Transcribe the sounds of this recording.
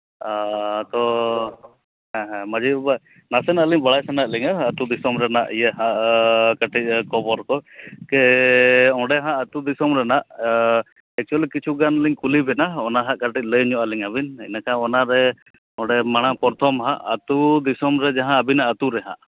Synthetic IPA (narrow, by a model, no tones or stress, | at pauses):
at̪ɔ | ɦãɦɛ̃mad͡ʒiba | nasɛnəliŋbaɽajsanaʔ̚liŋaːt̪ud̪isɔmɾɛna̰ʔijɛɦãʔkaʈic̪̚ˀkɔbɔɾkɔkɛ | ɔ̃ɖɛɦãʔət̪ud̪isɔmɾɛnaʔ | ɛk̚t͡ʃualikit͡ʃʰuɡanliŋkulibɛnaɔnaɦaʔkaʈic̪̚ˀləjɲɔʔaliŋabinɛ̰nakaɔnaɾɛ | ɔ̃ɖɛmaɽ̃apɔɾt̪ʰɔmɦã̰ʔət̪ud̪isɔmɾɛd͡ʒaɦãːbinaʔət̪uɾɛɦã̰ʔ